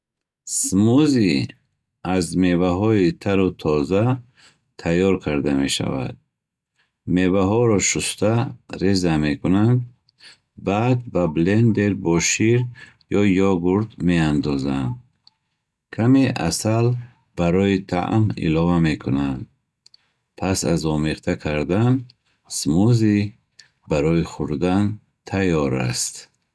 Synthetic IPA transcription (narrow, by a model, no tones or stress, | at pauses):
smuzi | azmevaɦɔit̪ʰaɾut̪ʰɔza | t̪ʰajɔɾkʰaɾd̪ame̞ʃa̰va̰d̪̥̚ | mevaɦɔɾɔʃust̪ʰaɾezame̞kʰunand̪ | bad̪̚bablend̪eɾbɔʃiɾ | jɔjɔɡuɾd̪meand̪ɔzand̪ | kʰameʔa̰sal | b̥aɾɔit̪ʰa̰ʔmḭlɔvamekʰunand̪ | pʰasa̰zɔmeɾt̪ʰakʰaɾd̪an | smuzi | baɾɔiχuɾd̪an | t̪ʰajɔɾa̰st̪